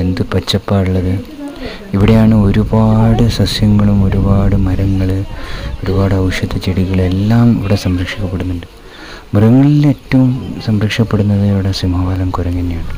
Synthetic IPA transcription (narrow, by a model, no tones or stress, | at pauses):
e̞nd̪ɨpɐt͡ɕːɐpːaːɽuɭːɐðɨ | iʋiɽejaːɳɨo̞ɾubaːɽɨsɐsjɐŋːɐɭumo̞ɾubaːɽɨmɐɾɐŋːɐɭɨo̞ɾubaːɽɨɐwʂjɐt̪ːɐt͡ɕiɽiɣɐɭe̞lːaːmiʋiɽe̞sɐmrɐkʂikʲːɐpːe̞ɽunːuɳɖɨ | mɐɾɐŋːɐɭileːtːɐʋumsɐmɾɐkʂɐpːe̞ɽunːɐðɨʋiɽesimaːlɐmkuɾɐŋːinːejaːɳɨ